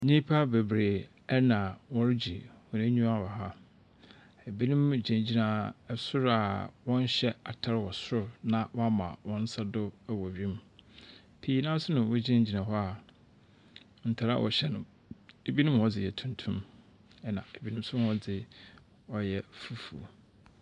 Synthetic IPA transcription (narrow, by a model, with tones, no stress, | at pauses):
nĩ˦pʰa˦be˨bɾeː˨ | ɛ˦nã˨wɔ˦ɾd͡ʑi˨wɔ˨nẽ˦ɲũ˦a˦˨wɔ˨ɦa˦ | e˨bi˦nʊ̃˦md͡ʑã˨d͡ʑi˦nã˨ɛ˨sʊ˦ɾa˨wɔ̃˦n˦ɕɛ˦a˨tʰa˦ɾwɔ˨sʊ˦ɾnã˨wɔ˦a˦mã̰˨wɔ̃˦n̩˦sa˦dʊ˦æ˨wɔ˨ɥĩ˦m | pʰi˨˦i˦nã˦sʊ˦nʊ̃˨wʊ˦d͡ʑi˦ã˦d͡ʑi˨nã˨ɦɔ˦a˨ | n̩˨tʰa˨ɾa̰˨wʔɔ̰˨ɕɛ˦nʊ̃˨m | e˨bi˦nʊ̃˦mwɔ˦d͡zɪ˨jɛ˨tʰũ˨ntʰũ˦m | ɛ˦nã̰˨e˨bi˦nʊ̃˦sʊ˦ɔ˦d͡zɪ˨ | ɔ˦jɛ˦˨fu˦fṵ˨